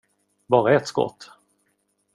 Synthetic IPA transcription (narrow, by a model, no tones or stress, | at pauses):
bɑːɾaɛt̪skɔ̰t̪ː